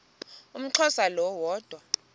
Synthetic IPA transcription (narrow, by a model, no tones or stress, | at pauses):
um̩ǁʰɔsalɔwɔːd̥ʱwa